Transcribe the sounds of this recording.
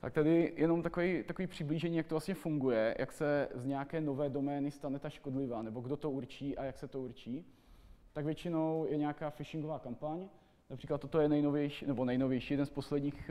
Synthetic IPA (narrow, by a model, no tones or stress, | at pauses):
t̪akt̪adɪjɛno̞mt̪akovɛjt̪akoviːpr̝̥ɪbliːʒɛɲiːjakt̪olast̪ɲɛfuŋɡujɛjʔa̰ksɛzɲɛjakɛːno̞vɛːdo̞mɛːnɪst̪anɛt̪aʃkodlɪvaːnɛboɡdo̞t̪o̞uɾt͡ʃiːʔajaksɛt̪ouɾt͡ʃiː | t̪aɡvjɛt͡ʃɪno̞wjɛɲɛakaːfɪʃɪŋɡovaːkampaɲ | napr̥iːklat̪ːot̪ojɛnɛjnovjɛjʃːnɛbo̞nɛjnovjɛjʃiːjɛdɛnspo̞slɛdɲiːx